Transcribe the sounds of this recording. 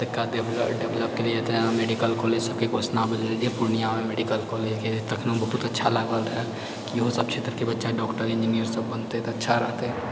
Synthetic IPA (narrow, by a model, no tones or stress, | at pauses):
t̪əkːaɖeɖeʋləp̚keliet̪emeːɖikəlkɔleːd͡ʒsəb̚kekosnabəleld͡ʒepuɾnijamemeɖikəlkɔːleːd͡ʒket̪ɐkʰnobəɦut̪ətːʃʰalaɡəlɦɛ | kiɦosəb̚t͡ʃʰet̪ɾkebətːʃaɖɔːkʈəɾɪ̃nd͡ʒinijəɾsəbːənt̪et̪ətːʃʰaɾɐɦt̪e